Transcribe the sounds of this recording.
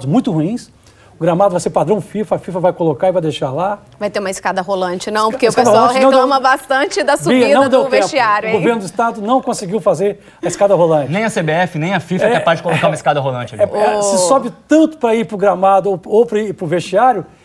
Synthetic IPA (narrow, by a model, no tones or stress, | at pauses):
d̪ʊzmũj̃t̪ʊhuĩs | ʊɡɾamad̪ʊvajseɾpad̪ɾɐ̃w̃fifɐɐfifɐvajkolokaɪvajd̪ejʃaɾla | vajt̪eɾũmɐɪskad̪ɐɦolɐ̃t͡ʃɪnɐ̃w̃poɾkeskpad̪ɐolɐ̃hnɐ̃kleɐ̃wmɐbast̪ɐ̃t͡ʃɪd̪ɐsubɐinɐ̃w̃d̪ewvẽʃt͡ʃiaɾjʊɡoveɾnʊd̪ʊist̪ad̪ʊnɐ̃w̃kõsɪɡiwfazeɾ | ɐiskad̪ɐɦolɐ̃t͡ʃnɪẽj̃ɐsebeɛfɪnẽj̃ɐfifɐɛapazd͡ʒɪkollokkaumɐiskad̪ɐɦolɐ̃t͡ʃɪɛsɪssɔbɪt̪ɐ̃nt̪ʊ̥pɾɐipɾʊɡɾamad̪ʊoopɾpɾʊvest͡ʃiaɾjʊ